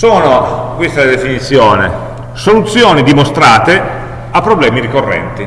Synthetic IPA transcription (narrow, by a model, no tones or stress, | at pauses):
soːnokwist̪ald̪efinit̪sːjɔːnḛ | solut̪sːjoːnid̪imost̪ɾaːt̪e | apːɾoblɛːmiɾikorːɛ̰nt̪i